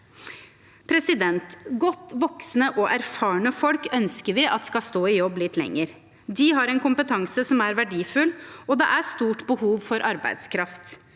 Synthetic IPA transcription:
pʰɾɛsɪd̪ɛnt̪ɡɔt̪ːʋɔksnəʔɔʔæɾfɑːɳəfɔlkœnskəɾʋɪʔɑ̰t̪skɑst̪oːɪjɔbːlɪt̪lɛ̰ŋːəɾ | d̪iɦɑɾɛnkʊmpət̪ʰɑŋsəsɔmæɾʋæɖiːfʉlɔd̪ɛʔæst̪uːʈbəhuːʋfɔɾʔɑɾbæ̰ɪd̪skʰɾɑft̪

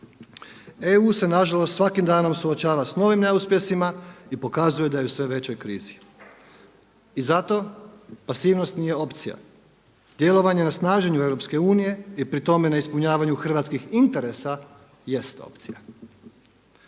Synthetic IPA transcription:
euːse̞naʒalˠost̪sʋakimd̪aːno̞msuot͡ɕaːʋasno̞ʋimne̞uspje̞simaipo̞kazujed̪ajeusʋe̞ʋe̞t͡ɕo̞jkɾḭːzi | izat̪o̞pasiːʋno̞st̪nije̞o̞pt̪sija̰ | d̪̥je̞lˠo̞ʋaɲe̞nasnaːʒe̞ɲue̞ʋɾo̞pske̞uːnije̞ipɾit̪o̞me̞naispuɲaːʋaɲuxr̩ʋat̪skixint̪e̞ɾe̞sa | je̞st̪o̰pt̪sḭja̰

